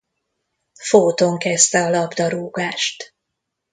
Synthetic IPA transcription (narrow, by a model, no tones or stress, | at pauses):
foːt̪o̞ŋkɛst̪ɛɒlɒbd̪ɒɾuːɡaːʃt̪